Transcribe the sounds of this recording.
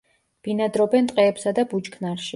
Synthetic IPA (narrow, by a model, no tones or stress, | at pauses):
b̥inad̪ɾɔbɛnt̪ʼqʼɛːpsad̪abut͡ʃkʰnaɾʃi